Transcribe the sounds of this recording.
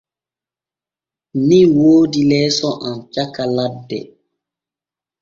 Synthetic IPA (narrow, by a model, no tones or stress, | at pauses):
niwoːdilɛːsɔʔamt͡ʃakaladːɛ̰